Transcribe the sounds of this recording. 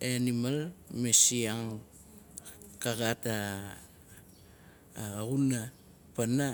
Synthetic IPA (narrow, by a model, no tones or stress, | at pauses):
eanimalmesiaŋ | kaɡata | ɣuna | pana